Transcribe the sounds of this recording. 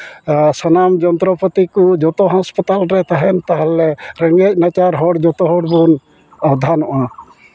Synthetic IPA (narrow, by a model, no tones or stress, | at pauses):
sɔnamd͡ʒɔnt̪ɾɔpɔt̪ikud͡ʒɔt̪ɔɦãspɔt̪alɾɛt̪ʰaɦɛnt̪aɦalɛɾɛŋɡɛc̚nat͡ʃaɾɦɔɽd͡ʒɔt̪ɔɦɔɽbun | ɔbd̪ʱanɔʔa